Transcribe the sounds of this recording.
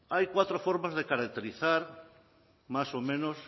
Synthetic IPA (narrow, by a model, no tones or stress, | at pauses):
ajkwat̪ɾofoɾmazðekaɾak̚t̪eɾiθaɾ | masomẽnos